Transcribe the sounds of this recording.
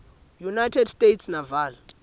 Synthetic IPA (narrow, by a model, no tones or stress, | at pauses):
junajtʰɛdstʼetʰsnavaːla